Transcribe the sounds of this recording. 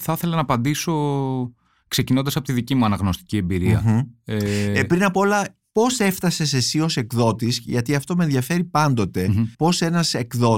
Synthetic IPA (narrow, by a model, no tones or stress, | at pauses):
θɐθe̞lɐnɐpɐnd̪iso̞ | kse̞cinond̪ɐsɐpo̞t̪iðicimuɐnɐɣno̞st̪i̥cie̞mbiɾiɐ̰epɾinɐpoo̞lɐ | po̞se̞ft̪ɐse̞se̞sio̞se̞kðo̞t̪isʝɐt̪iɐft̪o̞menðʝɐfe̞ɾipɐnd̪o̞t̪e̞po̞se̞nɐse̞kðo̞